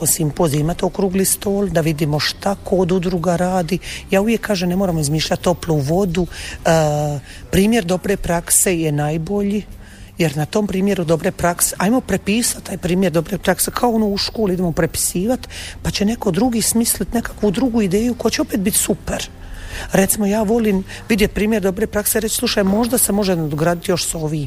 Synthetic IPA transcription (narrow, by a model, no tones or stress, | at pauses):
kosimpo̞ziimat̪okɾuɡlist̪o̞ːld̪aʋid̪imo̞ʃt̪akʰoːd̪ud̪ɾuɡaɾaːd̪ijaːuʋjekːaːʒemnemoɾamoizmiːʃʎat̪ːo̞pluʋo̞d̪u | pɾiːmje̞ɾd̪o̞bɾe̞pɾakse̞jenajbo̞ʎi | jeɾnat̪o̞mpɾiːmje̞ɾud̪o̞bɾepɾakseʔajmo̞pɾe̞piːsat̪t̪ːaːjpɾiːmjeɾd̪o̞bɾepɾaksekʰaoonuuʃkoːliid̪emopɾe̞pi̥siːʋat̪pat͡ɕe̞ne̞ko̞d̪ɾuɡismislit̪ne̞kakʋud̪ɾuɡuːid̪e̞ːjuko̞jat͡ɕeo̞peːt̪̚bit̪supeɾ | ɾet̪simojaːʋo̞liːmʋid̪jet̪pɾiːmjeɾd̪o̞bɾe̞pɾakseɾet͡ɕslˠuʃajmo̞ʒd̪ase̞mo̞ʒed̪ɡɾaːd̪it̪jo̞ʃso̞ʋi